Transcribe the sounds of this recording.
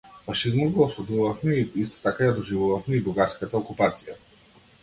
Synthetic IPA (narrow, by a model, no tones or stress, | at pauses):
faʃizmɔd̪ɡɔːsˠud̪uvafmɛiist̪ɔ̥t̪akajad̪ɔʒivuvafmɛibɾuɡaɾskat̪aɔkupat̪sija